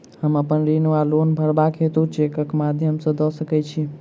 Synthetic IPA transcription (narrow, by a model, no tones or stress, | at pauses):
həməpənɾinalonbʱəɾbakɦet̪ut͡ʃʰekəkmad̪ʱjəmsəd̪ɔsəkɛt͡ʃʰi